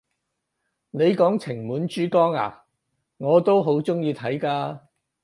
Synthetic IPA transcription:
ne˨˧jkɔː˨˥ŋt͡sʰɪ˨˩ŋmuː˨˥nt͡ʃyː˥kɔː˥ŋa̰ː˨˩ | ŋɔː˨˧t̪o˥wɦo˨˥wt͡sʊ˥ŋjiː˧t̪ʰɐ˨˥jkaː˧

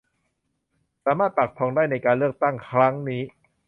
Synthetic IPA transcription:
saː˩˦maː˥˩t̪̚pa˨˩k̚p̪ʰɔː˧ŋdaː˥˩jna˧jkaː˧nlɯ˥˩ək̚t̪a˥˩ŋkʰɾa˦˥ŋniː˦˥

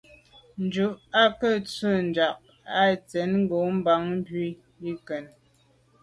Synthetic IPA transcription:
n̩˨˦d͡ʒu˨˦ʔa˦kə˦˨t͡sə˦˨n˨d͡ʒa˨ʔ̚ | a˦˨t͡sɛ˨˦nŋ̩˦ɡo˨˦m̩˦ba˨˦ŋm̩˦bɥi˦˨ | i˦kɛ˨n

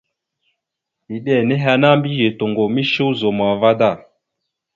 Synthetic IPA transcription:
i˨ɗɛ˦˨nɛ˦ɦa˧na˦mbi˦je˨to˨ŋɡo˨mi˦ʃu˦zo˨ma˨va˦da˦˨

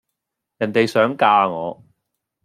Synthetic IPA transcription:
jɐ˨˩nt̪e˨jsœː˨˥ŋkaː˧ŋɔː˨˧

